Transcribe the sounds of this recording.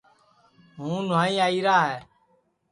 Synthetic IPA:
ɦũːnaːĩːaːiːɾaːɦɛː

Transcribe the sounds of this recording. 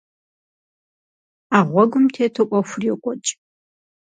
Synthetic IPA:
aːʁʷɔɡʷʊmtʰeːtʰɨʔʷʼɔxʷʊrjɛkʷʼɔt͡ʃʼ

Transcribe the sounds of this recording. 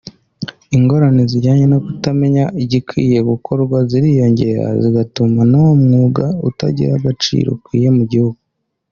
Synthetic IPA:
iŋɡo̞ɾaneziɾɟaːɲe̞no̞kutame̞ɲaʔiɟikwḭːje̞ɡukʰo̞ɾɡwaziɾijo̞ɲɟe̞ɾa̰ziɡatumanawomŋuːɡauta̰ɟḭɾaɡat͡ʃḭːɾo̰kwiːje̞muɟihuɡu

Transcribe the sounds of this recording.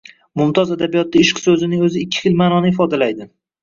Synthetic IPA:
mʊmt̪ʰɒzad̪abijɒt̪ːaɪʃqsɵzɪnɪŋɵzɪːkʲːɪ̥χɪlmanɒnɪɪfɒd̪alajd̪ɪ

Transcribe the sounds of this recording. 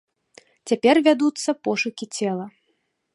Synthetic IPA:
t͡sʲapʲɛrvʲad̪ut̪sːɐpɔʂukʲit͡sʲɛlˠɐ

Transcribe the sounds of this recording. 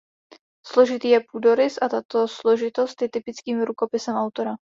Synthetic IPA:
slo̞ʒɪt̪iːjɛpuːdo̞ɾɪsʔat̪at̪o̞slo̞ʒɪt̪o̞st̪jɛt̪ɪpɪt͡skiːmɾuko̞pɪsɛmʔawt̪o̞ɾa

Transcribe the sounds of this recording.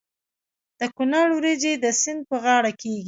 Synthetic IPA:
d̪̥əkʊnaɽwɾed͡ʒed̪əsɪnd̪̚pəɣɑɽakeɡi

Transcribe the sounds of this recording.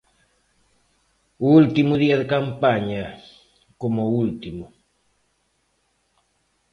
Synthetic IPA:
ult̪imuðiaðekampaɲa | komoult̪imu

